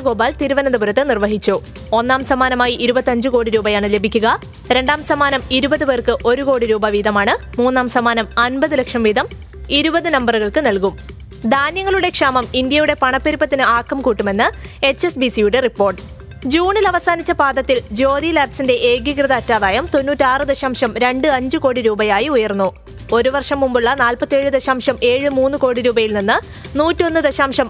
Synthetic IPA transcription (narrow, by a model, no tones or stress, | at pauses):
ɡoːbaːlt̪iɾuʋɐnɐd̪ɐbuɾɐt̪ːɨnirʋɐɦit͡ɕːu | o̞nːaːmsɐmaːnɐmaːjiʔiɾubɐt̪ːɐɲd͡ʑɨko̞ːɽiɾuːbɐjaːɳɨle̞bʱikʲːuɣɐ | ɾe̞ɳɖaːmsɐmaːnɐmiɾubɐðɨʋeːrkɨʔo̞ɾuko̞ːɽiɾuːbɐʋiːðɐmaːɳɨ | muːnːaːmsɐmaːnɐmɐnbɐðɨlekʂɐmʋiːðɐm | iɾubɐðɨnɐmbɐrɨɣɐɭkɨnɐlkum | d̪ʱaːnjɐŋːɐɭuɽe̞kʂaːmɐmind̪jɐjuɽe̞pɐɳɐpːeɾipːɐt̪ːinɨaːkːɐmkuːʈːume̞nːɨe̞t͡ɕːe̞sbisijuɽe̞ripːo̞ːrʈːɨ̥ | d͡ʑuːɳilɐʋɐsaːnit͡ɕːɐpaːd̪ɐt̪ːild͡ʑo̞ːd̪ilaːbsinde̞ʔeːɡikrɨðɐːtːaːðaːjɐmt̪o̞nːuːtːɨaːrɨd̪eɕaːmʂɐmɾe̞ɳɖɨɐɲd͡ʑɨko̞ːɽiɾuːbɐjaːjiujɐrnːu | o̞ɾuʋɐrʂɐmːumbuɭːɐnaːlpɐt̪ːie̞ːɻɨd̪eɕaːmʂɐme̞ːɻɨmuːnːɨko̞ːɽiɾuːbɐjilninːɨ | nuːtːio̞nːɨd̪ɐɕaːmʂɐm